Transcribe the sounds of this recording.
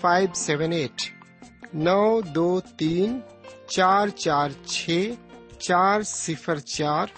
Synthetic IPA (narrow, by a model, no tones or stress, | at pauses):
aɪbsɛʋəneːʈ | nəwd̪oːt̪iːn | t͡ʃaːɾt͡ʃaːɾt͡ʃʰet͡ʃaːɾsɪpʰəɾt͡ʃaːɾ